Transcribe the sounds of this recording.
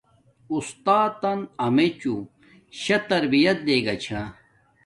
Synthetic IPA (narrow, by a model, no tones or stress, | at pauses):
ust̪aːt̪ːɐnɐmet͡ɕu | ɕɐt̪ɐɾbijɐt̪leːɡɐt͡ɕʰa